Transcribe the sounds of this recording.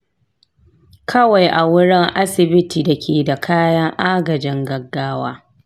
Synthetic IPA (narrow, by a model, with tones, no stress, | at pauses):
kʰɐ˦wa˨jʔa˨wʊ˦ɽɪ˦ŋʔa˦sɪ˨bɪ˦tiː˨dɐ˨kʲʰeː˨da˨kʰaː˦jɐ˦ŋʔaː˦ɡɐ˨d͡ʒɪ˦ŋɡɐ˨ɡːaː˦waː˦